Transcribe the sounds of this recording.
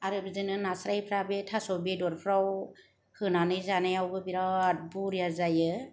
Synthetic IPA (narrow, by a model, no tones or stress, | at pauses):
aɾɯbizɯnɯnasɾajpʰɾabetʰasɔbedɔɾpʰɾaw | hɯnanɯjzanajawɡɯbiɾat̚buɾijazajɯ